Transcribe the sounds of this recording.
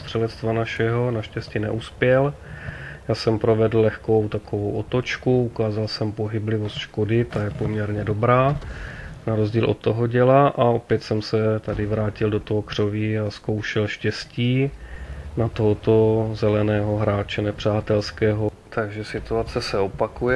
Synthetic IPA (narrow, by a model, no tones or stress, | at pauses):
st̪r̥ɛlɛt̪st̪vanaʃɛɦo̞naʃcɛscinɛ̰ʔuspjɛl | jaːsɛmpɾo̞vɛdl̩lɛxko̞wt̪akovowʔo̞t̪o̞t͡ʃkuukaːzalsɛmpo̞ɦɪblɪvo̞st̪ʃkodɪt̪ajɛpo̞mɲɛɾɲɛdo̞bɾaː | naɾo̞zɟiːlʔo̞t̪ːoɦoɟɛlaʔao̞pjɛt̪sɛmsɛt̪adɪvɾaːcɪldo̞t̪oɦokr̝̥o̞viasko̞wʃɛlʃcɛsciː | nat̪oɦot̪o̞zɛlɛnɛːɦo̞ɦɾaːt͡ʃɛnɛpr̝̥aːt̪ɛlskɛːɦot̪aɡʒɛsɪt̪uat͡sɛsɛopakujɛ